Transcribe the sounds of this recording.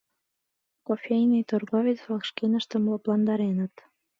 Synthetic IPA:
kofʲejnijt̪orɣovʲit͡sɑlkʃkenəʃt̪ə̆mloplɑnd̪ɑɾenət̪

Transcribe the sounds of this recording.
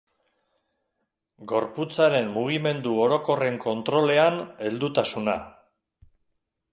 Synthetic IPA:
ɡo̞ɾput͡saɾe̞mːuɣ̞ime̞nd̪uoɾo̞ko̞re̞ŋko̞nt̪ɾo̞le̞ane̞ld̪ut̪asuna̰

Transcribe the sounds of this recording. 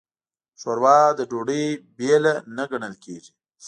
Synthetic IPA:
ʃoɾwɑd̪əɖoɽəjbelanaɡaɳəlkeʒi

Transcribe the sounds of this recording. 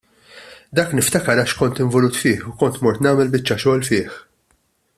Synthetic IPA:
d̪ɐːknɪft̪ɐkɐɾɐʃkɔnt̪ɪɱvɔluːt̪fɪːħukɔnt̪mɔɾt̪nɐːmɛlbɪt͡ʃːɐʃɔːlfɪːħ

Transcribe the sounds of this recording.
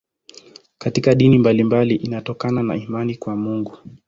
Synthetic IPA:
katikaɗinimbalimbaliʔinatɔkanana̰imanikwamuŋɡu

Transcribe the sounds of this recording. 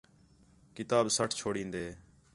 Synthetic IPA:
kɪt̪aːbsəʈʰt͡ʃʰoːɽĩːnd̪eː

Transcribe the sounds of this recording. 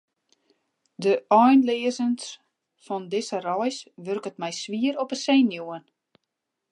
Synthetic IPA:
dəʔɔjnlɪəzəns | fɔndɪsərɔjsʋørkətmɛjsʋiəɾɔpəseːnjuən

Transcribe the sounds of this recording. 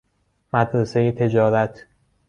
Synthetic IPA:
mæd̪ɾesejet̪ʰe̞d͡ʒɒːɾæt̪ʰ

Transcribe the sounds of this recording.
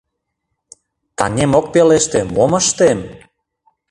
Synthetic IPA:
t̪ɑ̰nʲemok̚peleʃt̪emoməʃt̪em

